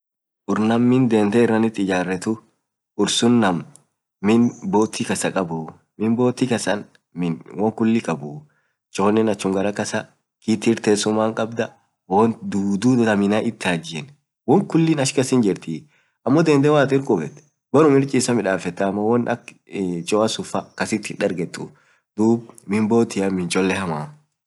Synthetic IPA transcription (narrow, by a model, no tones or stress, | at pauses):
ʔʊɾnɐmːɪnd̪eːnt̪ɛɪrːɐnɪt̪ːɪd͡ʒaːrːɛt̪ʊ | ʊɾsʊnːɐmː | ɪnboːt̪ːɪkɐsɐkʼɐbʊ | mɪboːt̪ːɪkɐsɐn | wɔŋkʊlːɪkʼɐbʊ | t͡ʃʼɔːnːɪnɐt͡ʃːʊŋɡɐɾɐkɐsɐ | kiːt̪iɾt̪eːsʊmːaːŋkʼɐbd̪ɐ | wɔnd̪uːd̪uɐmɪnaʔɪt̪ːɪaːd͡ʒɪɛn | wɔŋkʊlːɪnɐʃkɐsɪnd͡ʒɪɾt̪i | ʔɐmːɔd̪ɛnd̪ɛwaːt̪ɪɾkʼʊbɛt̪ | bɐɾʊmɪɾt͡ʃʼɪːsɐmɪᶑaːfɛt̪ːɐmːɐwɔnɐk | t͡ʃʼɔːɐsʊfɐkɐsɪt̪ːɪᶑɐɾɡɛt̪ːʊ̰ | d̪uːbmɪmboːt̪ɪjɐmɪnt͡ʃʼɔlːɛhɐmaː